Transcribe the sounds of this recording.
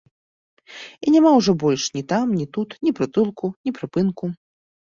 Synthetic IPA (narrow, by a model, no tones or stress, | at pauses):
inʲamawʐɔbɔlʲʂnʲit̪amnʲit̪ut̪nʲipɾɨt̪ɨlˠkunʲipɾɨpɨnku